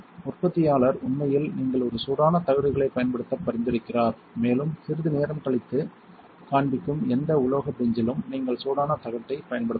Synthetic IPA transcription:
ʊrpɐt̪ːɪjaːɭɐɾʊnmɐjɪlniːŋɡɐɭɔɾɯsuːðaːnɐt̪ɐɣɐɽɯɣɐɭɐɪpːɐjɐnpɐɽɯt̪ːɐpːɐɾɪnd̪ɪɾɯkːɪraːɾ | meːlɯmsɪɾɯðɯneːɾɐmkɐɭɪt̪ːɯ | kaːɳbɪkːɯmɛnd̪ɐʊloːɣɐp̪ːɛɲd͡ʒɪlɯmniːŋɡɐɭsuːðaːnɐt̪ɐɣɐʈ̪ːɐɪpːɐjɐnpɐɽɯ

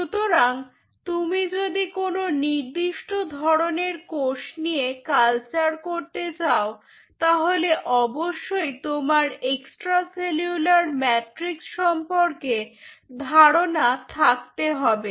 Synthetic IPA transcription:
ʃut̪oɾaŋ | t̪umid͡ʑod̪ikononiɾd̪iʃʈod̪ʱɔɾoneɾkoʃnijekalt͡ɕaɾkoɾt̪et͡ɕao | t̪aɦoleʔɔboʃːojt̪omaɾeksʈɾaseljulaɾmɛʈɾiksʃɔmpoɾked̪ʱaɽonat̪ʰak̚t̪eɦɔbe

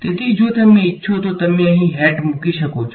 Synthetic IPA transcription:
t̪ɪt̪id͡ʒoːt̪ɐmːẽɪtːʃʰot̪ot̪ɐmːẽɐɦĩɦɛːʈmʊkiʃɐkoːt͡ʃʰ

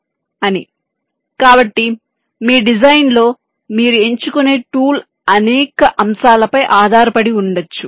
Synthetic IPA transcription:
ɐni | kaːbɐʈːi | miːɖid͡ʒɐjnlo̞ː | miːɾue̞ɲt͡ʃukune̞ːʈuːl | ɐnɛːkɐʔɐmsaːlɐpɐjʔaːd̪ʱaːɾɐpɐɽiuɳɖɐt͡ʃːu

